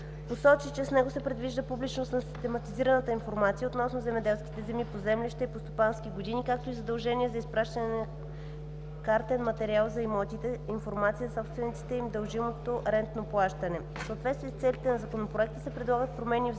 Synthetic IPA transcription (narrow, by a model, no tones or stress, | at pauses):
posɔt͡ʃit͡ʃɛsnɛɡosɛpɾɛd̪viʒd̪əpublit͡ʃnost̪nɐsi̥st̪ɛmɐt̪iziɾənət̪əinfoɾmat̪sijəot̪nɔsnozɛmɛd̪ɛlˠskʲi̥t̪ɛzɛmipozɛmlʲiʃt̪ɛipost̪opansk̟ʲiɡod̪inikak̚t̪oizɐd̪ɐlˠʒɛniɛzɐispɾaʃt̪ənɛnɐ | kaɾt̪ɛnmɐt̪ɛɾialˠzɐimɔt̪it̪ɛinfoɾmat̪sisɔpst̪vɛnit̪si̥t̪ɛimd̪ɐlˠʒimot̪oɾɛnt̪noplˠaʃt̪ɐnɛ | soːt̪vɛt̪t̪viɛst̪sɛlʲit̪ɛnɐzɐkonopɾoɛkt̪əsɛpɾɛd̪lˠaɡət̪pɾomɛni